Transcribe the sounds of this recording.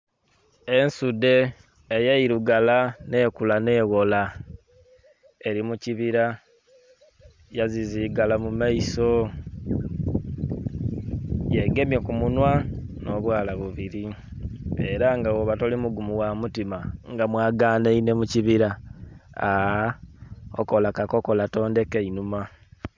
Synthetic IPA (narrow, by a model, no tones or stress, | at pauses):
e̞nsude̞ː | jaiɾuɡalane̞kulane̞ːɣo̞la | e̞ɾimuciβiɾa | jaziziɡalamumaiso̞ | jeɡe̞mjokumunwano̞βwaːlaβuβiɾi | eɾaŋɡawoβatolimuɡumuwamutimaŋɡamwaːɡaːneine̞muciβiɾa | o̰ko̞lakako̞kolato̞ːnde̞keinuma